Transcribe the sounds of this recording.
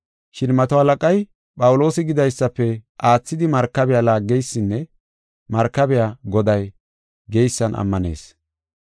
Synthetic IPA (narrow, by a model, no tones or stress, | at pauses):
ʃɪnmɐt̪ɔhɐlɐkʼɐj | pʼɐwʊlo̞ːsɪɡɪd̪ɐjsːɐpːɛʔaːt͡sːɪd̪ɪmɐɾkːɐbɛjalaːɡːɛjsːɪnːɛ | mɐɾkːɐbɛjaɡɔd̪ɐj | ɡeɛjsːɐnʔɐ̰mːɐne̞̰ːs